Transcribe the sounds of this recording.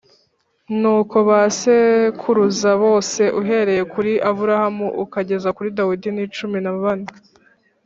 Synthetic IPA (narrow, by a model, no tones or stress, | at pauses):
nuːko̞βasekʰuɾuzaβo̞ːse̞ʔuɦe̞ɾe̞je̞kuɾiʔaβuɾahamuʔukaɟe̞zakuɾidawidinit͡ʃuminaβana